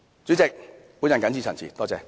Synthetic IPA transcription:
t͡sy˨˥t͡sɪ˨k̚puː˨˥njɐ˨nkɐ˨˥nt͡sʰiː˨˩t͡sʰɐ˨nt͡sʰḭː˨˩t̪ɔː˥t͡sɛ̰ː˧

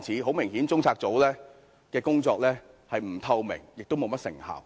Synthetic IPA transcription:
t͡sʰiː˨˥ɦo˨˥wmɪ˨˩ŋhiː˨˥nt͡sʊ˥ŋt͡sʰaː˧k̚t͡so˨˥wlɛː˥ | kɛː˧kʊ˥ŋt͡sɔː˧k̚lɛː˥ | hɐ˨jm̩˨˩t̪ʰɐ˧wmɪ̰˨˩ŋjɪ˨k̚t̪o˥wmo˨˧wmɐ˥t̚sɪ̰˨˩ŋha̰ː˨˩w

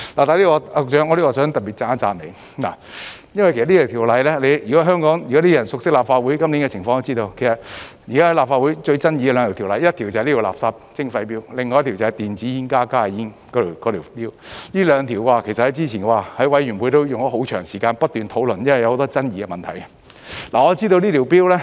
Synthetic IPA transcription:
laː˨˩t̪aː˨li˥kɔ˧˨sœː˨˥ŋɔ˨˧li˥kɔ˧sœː˨˥ŋt̪ɐ˨p̚i˨t̚t͡saː˨˥t͡saː˨nne˨˧j | la̰˨jɐ˥nwɐ˨kʰe˨˩sɐ˨tliː˥t̪ʰt̪ʰːlɐ˨˧jlɛː˥le˨˧jyː˨kɔ˨˥ɦœː˥ŋkɔː˨˥ŋjyː˨˩kɔ˨˥t̪iː˥jɐ˨˩nsʊ˨k̚sɪ˥k̚laː˨p̚faː˧t̚wu˨˥jkɐ˥mli˨˥nkɛ˧t͡sʰɪ˨˩ŋfɔ˧t̪o˥t͡siː˥t̪o˧wkʰe˨˩sɐ˨t̚jiː˨kaː˥ɐ˨˥jlaː˨pfaː˧t̚u˨˥jt͡ʃɵ˧ɥt͡sɐ˥nji˧ɛ˧lœː˨˧ŋʰ˨˩t̪ʰi˨˩lɐ˨˧jɐ˥t̚t̪ʰi˨˩wt͡sɐ˨˩˨liː˥i˨˩la̰ː˨psaː˧p̚t͡sɪ˥ŋfɐ˧jpiː˥wlɪ˨ŋːɔː˧jɐ˥t̪ʰi˨˩t͡sɐ˨˩hɐ˨jt̪iː˨nt͡siː˨˥jiː˥nkaː˥kaː˥˨ji˥n | kɔ˨˧t̪i˨˩kɔ˨˧t̪ʰiː˨˩piː˥wliː˥lœː˨˧ŋt̪ʰiː˨˩wkwaː˨˧kʰe˨˩sɐt̚hɐ˨˦jt͡siː˥t͡ɕʰiː˨˩nkwaː˨˩hɐ˨˥jwɐ˨˥jɥy˨˩npu˨˧˥jt̪o˥wjʊ˨ŋɔː˨˥ɦo˨˧˥wt͡ʃʰœ̰ː˨˩ŋsiː˨˩kaː˧npɐ˥t̚t̪ːyː˨nt̪ʰo˨˥wlɵ˨˩njɐ˥nwɐ˨jɐ˧who˧˥t̪ɔː˥t͡sɐ˥njiː˨˧ɡɛ˧mɐ˨nt̪ʰɐ˨˩jɐ˧ | laː˨ŋɔː˨˧t͡siː˥t̪o˧wniː˥t̪ʰːwpiː˥wlɛː˥

